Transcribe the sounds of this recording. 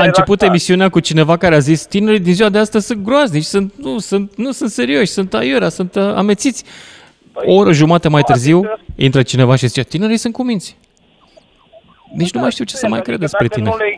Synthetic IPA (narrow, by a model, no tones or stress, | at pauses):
aɨnt͡ʃe̞put̪e̞misiuneakut͡ʃine̞vakaɾeazist̪ine̞ɾid̪inziuwad̪east̪əzʲsunt̪̚ɡɾoaznit͡ʃsunt̪̚nusunt̪nusunt̪se̞ɾio̞ʃʲsunt̪ajeɾasunt̪a̰me̞t̪sit̪sʲ | ooɾəʒumat̪əmajt̪ɨrziwḭnt̪ɾət͡ʃine̞vaʃizit͡ʃet̪ine̞ɾisunt̪̚kumint̪sʲ | d̪et͡ʃʲnumajʃt̪iwt͡ʃe̞̥səma̰jkɾe̞̰d̪espɾe̞t̪ine